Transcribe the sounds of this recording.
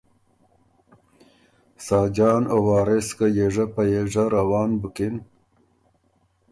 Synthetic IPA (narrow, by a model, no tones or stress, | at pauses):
sɑːd͡ʒɑːnowɑːɾeskajeʐapajeʐaɾawɑːnbukɪn